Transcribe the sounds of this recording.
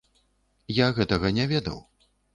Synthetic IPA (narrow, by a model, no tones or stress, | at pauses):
jaɣɛt̪ɐɣɐnʲɛvʲɛd̪ɐ̰w